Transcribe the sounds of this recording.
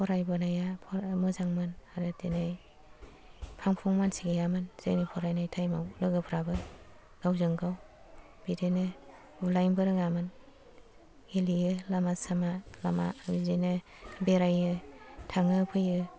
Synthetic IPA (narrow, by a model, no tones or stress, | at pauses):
pʰɔɾajbɯnajapʰɔmɯzaŋmɯnaɾɯtenaj | pʰaŋpʰuŋmansiɡejamɯnz̥ɯ̰nipʰɔɾajnajtʰajmawlɯɡɯpʰɾabɯ | ɡ̥awzɯŋɡaw | b̥idenɯ | ulajnbɯɾɯŋamɯn | ɡelijɯlamasamalama̰bidenɯ | beɾajɯtʰaŋɯpʰɯjɯ